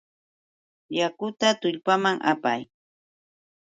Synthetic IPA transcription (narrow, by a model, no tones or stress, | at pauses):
jakʊt̪at̪ʊʎpamaŋʔa̰paj